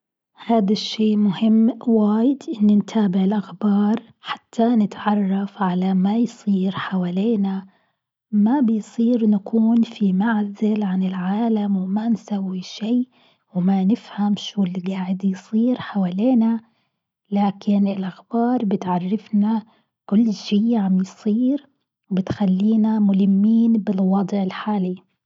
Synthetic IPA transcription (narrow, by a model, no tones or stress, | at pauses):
haːd̪aʃːeːʔmʊhɪmːwaːjɪd̪ʔɪnːint̪ʰaːbɪʕɪlʔaxbɑːɾˤ | ħḁt̪ʰːanɪt̪ʕɑrˤːɑfʕalamajsˤiːɾħawaːleːna | mabɪjsˤiːɾnakʰuːnfimaʕzɪlʕanɪlʕaːlamwmansawːiʃiː | wmanɪfhamʃuːlɡaːʕɪd̪jsˤiːɾħawaːleːna | laːkɪnɪlʔaxbɑːɾˤbɪt̪ʕarˤːɪfna | kʊlːʃiːʕamjsˤiːɾ | wbɪt̪xalːiːnamʊlɪmːiːnbɪlwɑd̪ˤʕɪlħaːli